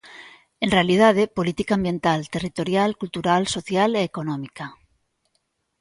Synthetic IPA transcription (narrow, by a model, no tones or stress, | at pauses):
enrealið̞að̞epolit̪ikaːmbjẽ̞nt̪alt̪erit̪oɾjalkult̪uɾalsoθjaleːkonõmika